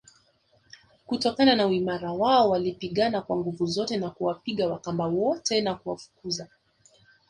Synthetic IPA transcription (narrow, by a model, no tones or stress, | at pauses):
kutɔkananauimaɾawaɔwalipiɠanakwaŋɡuvuzɔtɛnakuwapiɠawakambawɔtɛnakuwafu̥kuza